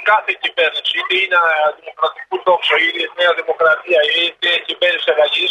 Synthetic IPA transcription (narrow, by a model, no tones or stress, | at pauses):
kaθecivernusiðeinɐðimokɾɐt̪ikuðoksoiðineɐðimokɾɐt̪iɐit̪ecivɛrnusaɣɐʝis